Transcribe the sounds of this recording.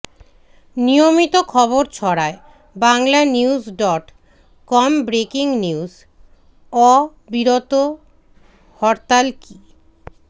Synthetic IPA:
niomit̪okʰɔβoɾt͡ɕʰɔɾae | baŋlaniuzɖɔʈ | kɔmbɾekiŋniuz | ɔ | biɾot̪o | hɔɾt̪alki

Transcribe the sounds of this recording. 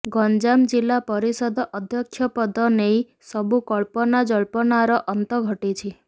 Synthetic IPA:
ɡɔnd͡ʒamd͡ʒilːapəɾisɔd̪ʱɔʔəd̪ʱjɔkʰjɔpɔd̪ʱɔneĩ | sɔbukɔɭpɔnad͡ʒɔɭpɔnaɾɔʔənt̪ɔɡʱəʈit͡ʃʰi

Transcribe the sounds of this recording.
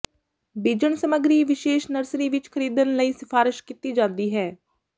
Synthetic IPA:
biːd͡ʒəɳsəməɡɾiːʋɪʃeːʃnəɾsɾiːʋɪt͡ʃkʰəɾiːd̪ənləiːsɪpʰaːɾɪʃkit̪iːd͡ʒãːnd̪iːɦɛː

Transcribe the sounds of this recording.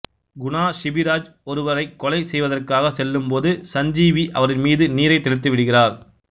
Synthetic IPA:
ɡʊɳaːʃɪbɪɾaːd͡ʒ | ɔɾɯʋɐɾɐɪkːɔlɐɪsɛjʋɐðɐrkaːɣɐsɛlːɯmpoːðɯsɐɲd͡ʒiːʋiʔɐʋɐɾɪnmiːðɯniːɾɐɪt̪ːɛɽɯt̪ːɯʋɪɽɯɣɪraːɾ

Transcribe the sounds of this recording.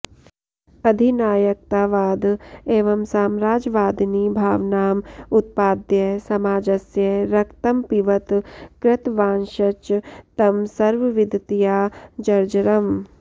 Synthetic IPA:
ɐd̪ʱinaːjɐk̚t̪aːʋaːd̪eːʋɐmsaːmɾaːd͡ʒʋaːd̪nibʱaːʋnaːmʊt̪̚paːd̪jɐsɐmaːd͡ʒɐsjɐɾɐkt̪ɐmpiʋɐt̪kɾɪt̪ʋãːnʃɐt͡ʃt̪ɐmsɐɾʋəʋɪd̪t̪ijaːd͡ʒɐɾd͡ʒɾɐm

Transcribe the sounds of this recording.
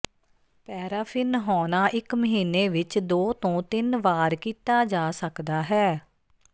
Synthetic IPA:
pɛːɾaːpʰɪnɦɔːnaːʔɪkməɦiːneːʋɪt͡ʃd̪oːt̪õːt̪ɪnʋaːɾkiːt̪aːd͡ʒaːsəkd̪aːɦɛː

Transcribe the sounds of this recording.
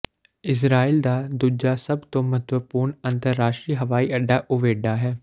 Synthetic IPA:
ɪs̬ɾaːiːld̪aːd̪uːd͡ʒaːsəbt̪õːmət̪ʋəpuːɾɳənt̪əɾːaːʃʈɾiːɦəʋaːiːʔəɖːaːʔʊʋeːɖaːɦɛː

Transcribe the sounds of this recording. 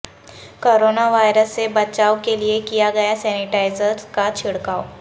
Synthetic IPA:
koːɾoːnaʋaːjɾəsːebɐt͡ʃaːokeliekijaɡɐjasɛːnɪʈaːɪzəɾzkat͡ʃʰɪɽkaːo

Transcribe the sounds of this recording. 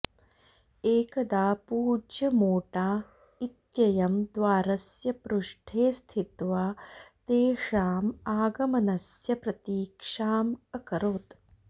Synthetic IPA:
eːkɐd̪aːpuːd͡ʒjɐmoːʈaː | it̪jɐjɐmd̪ʋaːɾɐsjɐpɾuʂʈʰeːst̪ʰit̪ʋaːt̪eːʂaːmaːɡɐmɐnɐsjɐpɾɐt̪iːkʂaːmɐkɐɾoːt̪

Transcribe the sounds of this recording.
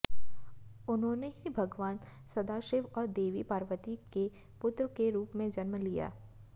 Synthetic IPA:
ʊnɦõːneɦibʱɐɡʋaːn | sɐd̪aːʃɪʋɔːɾd̪eːʋipaːɾʋət̪ike | pʊt̪ɾəkeɾuːpmẽd͡ʒɐnmlija̰ː

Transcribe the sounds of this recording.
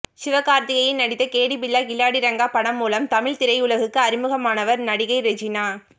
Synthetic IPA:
sɪʋɐkaːɾt̪ɪɣɐjɪnnɐɽɪt̪ːɐkeːɽipɪlːaːkɪlːaːɽɪɾɐŋɡaːpɐɽɐmːuːlɐmt̪ɐmɪɭt̪ɪɾɐɪʊlɐɣɯkːɯɐɾɪmɯɣɐmaːnɐʋɐɾnɐɽɪɣɐɪɾɛd͡ʒɪnaː

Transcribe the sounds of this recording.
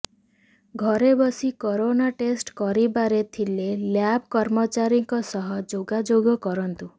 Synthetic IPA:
ɡʱɔɾebɔsikɔɾonaʈesʈkɔɾibaɾet̪ʰileljabkɔɾmɔt͡ʃaɾiŋkɔsɔɦɔd͡ʒoɡad͡ʒoɡɔkɔɾɔnt̪u

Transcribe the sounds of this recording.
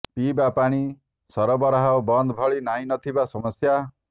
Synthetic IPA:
pibapaɽ̃i | sɔɾɔbɔɾɦawbɔnd̪bʱɔɭinaĩnɔt̪ʰibasɔmɔsja

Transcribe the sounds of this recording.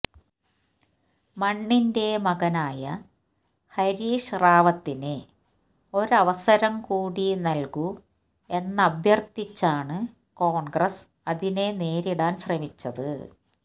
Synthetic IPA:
mɐɳːinde̞mɐɣɐnaːjɐ | hɐɾiːʂraːʋɐt̪ːine | o̞ɾɐʋɐsɐɾɐmkuːɽinɐlku | e̞nːɐbʱjɐrt̪it͡ɕːaːɳɨ | ko̞ːɳɡrɐs | ɐðine̞ne̞ːɾiɽaːnɕrɐmit͡ɕːɐðɨ

